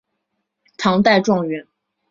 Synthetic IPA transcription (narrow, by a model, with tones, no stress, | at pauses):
t̪ʰɑ˧˥ŋt̪a˥˧ɪʈ͡ʂwɑ˥˩ŋɥɛ˧˥n